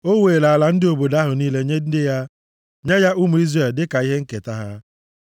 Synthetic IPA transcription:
o˦weː˨la˨a˨la˨n̩˦dɪ˦o˨bo˨da˦ɦʊ˨niː˦le˦ɲe˦dɪ˦ja˦ | ɲe˦ja˦ʔʊ˦mu˨i˦zre˨ldɪ˦ka˨i˦ɦe˦ŋ̩˦ke˨ta˦ɦa˦

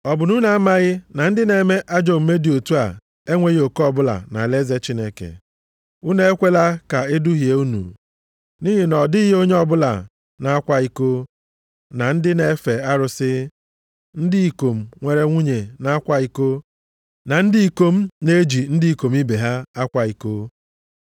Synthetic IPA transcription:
ɔ˨bʊ˨nu˦na˦a˦ma˦ɣɪ˦na˨n̩˦dɪ˦ne˨˦me˦ʔa˦d͡ʒo˨m̩˨me˦di˨o˨tu˦a̰˨ | e˦ŋʷe˨ɣi˦o˨ko˦ɔ˦bʊ˦la̰˨na̰˨le˦ze˦t͡ʃi˦ne˦kḛ˨ | u˦ne˦e˦kʷe˦la˦ka˨e˦du˦ɦje˨u˦nṵ˨ | ni˦ɦi˨nɔ˨dɪ˦i˦ɦo˦ɲe˦ɔ˦bʊ˦la̰˨ | na˨a˦kʷa˦i˦ko˦ | na˨n̩˦dɪ˦ne˨˦fe˨a˦ɾʊ˦sɪ˦ | n̩˦dɪ˦i˨ko˨m̩˨ŋʷe˨ɾe˦ŋʷu˦ɲe˨na˦a˦kʷa˦i˦ko˦ | na˨n̩˦dɪ˦i˦ko˦m̩˦ne˦d͡ʒi˨n̩˦dɪ˦i˨ko˨m̩˦i˦be˨ɦa˦a˦kʷa˦i˦ko˦

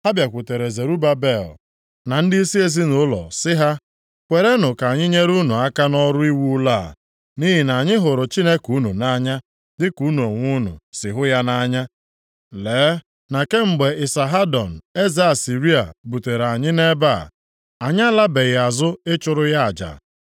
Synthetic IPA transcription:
ha˦bja˨kʷʊ˨te˨ɾe˨ze˨ɾu˦ba˦be˦˨l | na˨n̩˦di˦i˦si˦e˦zi˦nʊ˨˦lɔ̰˨sɪ˦ɦa˦ | kʷe˨ɾe˦nʊ˨ka˨ɲɪ˦ɲe˦ɾu˦nu˨a˦ka˦nɔ˦ɾʊ˦i˦wu˦laː˦˨ | ni˦ɦi˨na˨ɲɪ˦ɦʊ˨ɾʊ˨t͡ʃi˦ne˦ku˦nu˨na˦ɲa˦ | dɪ˦ku˨˦n˨o˨ŋʷu˦nṵ˨sɪ˨ɦʊ˦ja˦na˦ɲa˦ | leː˨˦ | na˨ke˦ŋ͡m̩˨ɡ͡be˨ɪ˨sa˨ɦa˦dɔ˨n̩˨e˦ze˦a˨si˨ɾi˦a̰˨bu˨te˨ɾa˨ɲɪ˦ne˦ba˦˨ | a˨ɲ˦a˦la˦be˨ɣɪ˨a˨zʊ˦ɪ˦t͡ʃʊ˨ɾʊ˦ja˦a˨d͡ʒa̰˨

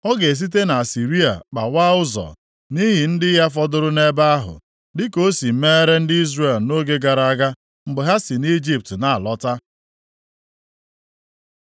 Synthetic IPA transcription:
ɔ˦ɡe˨s̬i˦t̬e˦na˨a˨si˨ɾi˦a̰˨k͡pa̰˨wa˦ʊ˦zɔ̰˨ | ni˦ɦi˨n̩˦dɪ˦ja˦f̬ɔ˦dʊ˦ɾʊ˦ne˦ba˦a˦ɦʊ̰˨ | dɪ˦ko˦si˨˦me˦ɾe˦n̩˦dɪ˦i˦zre˦˨lno˦ɡe˦ɡa˨ɾa˨a˦ɡa˦ | m̩˨ɡ͡bʊ˨ɦa˦si˨ni˦d͡ʒi˦p̚tna˨a˨lɔ˦ta˦

